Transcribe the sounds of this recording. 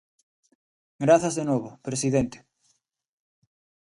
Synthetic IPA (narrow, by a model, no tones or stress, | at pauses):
ɡɾaθazðenoβopɾesiðent̪e̥